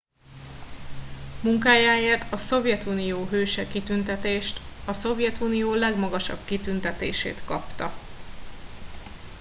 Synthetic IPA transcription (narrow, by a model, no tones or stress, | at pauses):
muŋkaːjaːeːrt̪ɒso̞vjɛt̪unijoːɦøːʃɛkit̪ynt̪ɛt̪eːʃt̪ɒso̞vjɛt̪uːnijoːlɛɡmɒɡɒʃɒ̰b̥kit̪ynt̪ɛt̪ḛːʃḛːt̪kɒpt̪ɒ̰